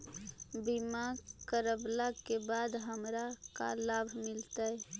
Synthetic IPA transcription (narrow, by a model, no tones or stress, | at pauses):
bimakəɾəblakebad̪ɦəmɾaka̰labʱmilt̪əj